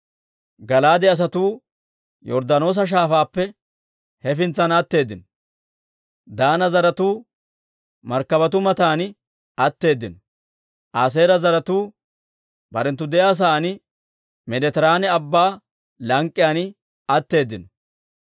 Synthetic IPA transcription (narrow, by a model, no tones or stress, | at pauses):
ɡɐlaːd̪ɛɐs̬ɐt̪uː | jɔɾd̪ɐno̞ːs̬ɐʃ̬aːfaːpːɛ | hɛfɪnt͡sːɐnɐt̪ːe̞ːd̪ːɪnɔ | d̪aːnɐzɐɾɐt̪uː | mɐɾkːɐbɐt̪̬ʊmɐt̪aːnɪ | ɐt̪ːe̞ːd̪ːɪn | ʔaːs̬e̞ːɾɐzɐɾɐt̪uː | bɐɾɛnt̪ːʊd̪ɛjaːs̬aːnɪ | mɛd̪ɛt̪ɛɾaːnɛɐbːaː | lɐŋkʼːɪjaːnɪ | ɐt̪ːe̞ːd̪ːɪnɔ